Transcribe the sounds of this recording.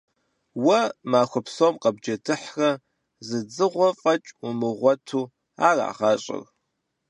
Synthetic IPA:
wɐmaːxʷɔpsoːmqɐb̚d͡ʒɐdʰɨħrɐ | zɨd͡zɨʁʷɔfʼɐt͡ʃʼʊmɨʁʷɔtʰuː | a̰ːra̰ːʁɐɕʼɪ̰r

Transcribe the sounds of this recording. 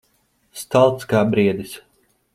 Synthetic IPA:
st̪alˠt̪skaːbɾiɛd̪is

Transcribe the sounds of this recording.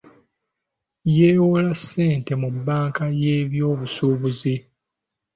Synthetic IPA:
jeːwolase̞ːnte̞mubːaːŋkajeːβjo̞ːβusuːβuzi

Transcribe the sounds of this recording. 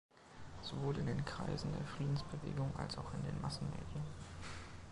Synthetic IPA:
z̥ovoːlɪndeːnkʁ̥a̰ɪzn̩deːɐfʁ̥iːdn̩sb̥əvḛːɡʊŋʔa̰lsaʊxɪndeːnmasn̩mḛːdjən

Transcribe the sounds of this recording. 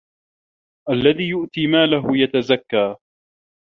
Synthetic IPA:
ʔalːaðiːjʊʔt̪iːmaːlaɦʊjat̪azakːaː

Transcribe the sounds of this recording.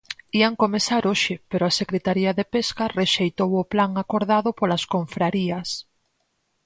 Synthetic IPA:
iaŋkomesaɾoʃɪpeɾoasekɾet̪aɾiɐðepeskareʃejt̪owʊplaŋakoɾðaðʊpolaskoɱfɾaɾiɐs

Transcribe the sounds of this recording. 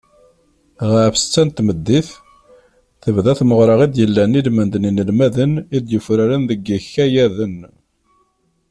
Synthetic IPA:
ʁəʕfst͡sːænt̪məd̪ːiθ | θəvðæθməʁɾˤəʁid̪jəlːænilmənd̪ninəlmæðənid̪jəfɾæɾənðəɡəçæjæðən

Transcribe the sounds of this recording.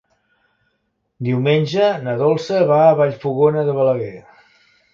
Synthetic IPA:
d̪iwmenʲʒənəðɔlˠsəβaəβaʎfuɣonəðəβələɣɛ

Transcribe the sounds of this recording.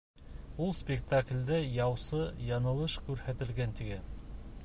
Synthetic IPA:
ulˠspʲɪkt̪aklʲd̪æjɑwsɤjɑnɤ̆lˠɤʃkʉɾhæt̪ɘ̆lɡænt̪iɡæn

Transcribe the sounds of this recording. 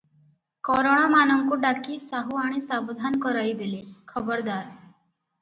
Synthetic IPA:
kɔɾoɽ̃amanɔŋkuɖakisaɦuaɽ̃isabɔd̪ʱankɔɾajd̪ilikʰɔbɔɾd̪aɾ

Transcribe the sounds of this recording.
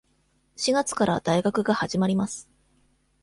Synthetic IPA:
ɕiɡat͡sɨ̥kaɾa̰d̪aiɡakɯ̟ɡahaʑimaɾʲimasɨ̥

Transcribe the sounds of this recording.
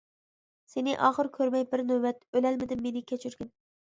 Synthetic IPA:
senɪʔɑːχɨɾkʲʰɵɾmɛjbɪɾnobæt̪ølælmɪd̪ɪmːenɪkʲʰɛt͡ʃʰyɾɡʲɪn

